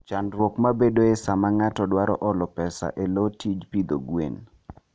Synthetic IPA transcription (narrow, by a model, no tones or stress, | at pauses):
t͡ʃanɾwokmabedoesamaŋatɔdwaɾɔ̰ʔɔlɔpɛsa̰ʔelotid͡ʒpid̪o̰ɡwḛn